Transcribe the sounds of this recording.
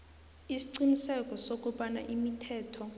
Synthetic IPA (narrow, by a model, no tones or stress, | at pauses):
isi̥ǀinisɛkʼɔsok̬ʼuɓana̰ʔimitʰɛːtʰɔ